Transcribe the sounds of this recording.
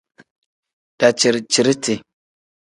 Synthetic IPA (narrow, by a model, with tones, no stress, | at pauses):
d̥a˨t͡ʃi˨ɾt͡ʃi˨ɾtʰi˨